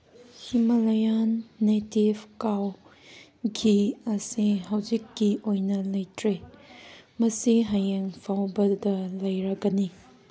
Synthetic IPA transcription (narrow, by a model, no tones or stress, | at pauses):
himɐlɐjanːetibkaw | ɡiɐsiɦawzikːiʔojnɐlɐjtɾe | mɐsiɦɐjeŋpʰawbɐdɐlɐjɾɐɡɐni